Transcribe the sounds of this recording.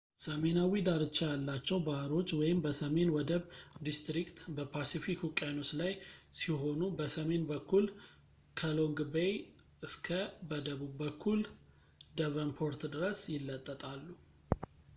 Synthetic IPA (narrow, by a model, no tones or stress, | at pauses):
səme̞nawid̪aɾɨt͡ʃːajalːat͡ʃːɛwbahɾo̞t͡ʃːwɔjɪmbəsəme̞nwɔd̪əβd̪ist̪ɾikt̪bəpʰasifikukʼajnot͡ʃlajsiɦo̞nubəsəme̞nbəkʰːul | kʰəlo̞ŋɡbej | ɨskʰəbəd̪əβubːəkʰːul | d̪əβənpʰo̞ɾt̪d̪ɨɾəsjɪlːət̪ʼːət̪ʼalːu